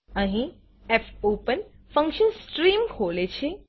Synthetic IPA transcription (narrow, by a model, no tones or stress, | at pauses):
əɦĩ | efopən | fə̃ŋkʃənsʈɾimkʰolet͡ʃʰe